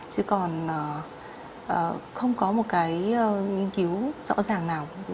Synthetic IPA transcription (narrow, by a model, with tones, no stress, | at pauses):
t͡ɕɨ˨˦kɔ˨˩nʔəː˨˩ | ʔəː˨˩xə˧wŋ͡mkɔ˨˦mo˨˩t̚kaː˨˦jːŋi˧nki˨˦wzɔ̰˧˥zaː˨˩ŋnaː˨˩w